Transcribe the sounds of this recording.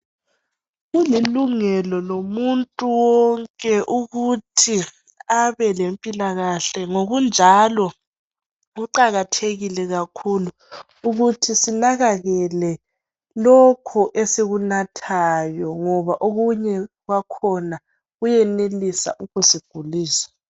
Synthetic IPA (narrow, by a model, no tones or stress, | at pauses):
ɣuliluŋɛlɔlomuntʼuwɔŋkʼɛʔuɣutʰi | aβɛlempʼilaɣaɬɛŋoɣund͡ʒʱalɔ | ɣuǃaɣatʰeɣilɛɣakʰuluː | ɣutʰisinaɣaɣɛlɛ | lɔkʰɔʔeseɣunatʰajɔŋɔβaʔoɣuɲɛɣwakʰɔna | ɣujɛnelisa̰ʔukʰusiɡ̥ʱuliːsḁ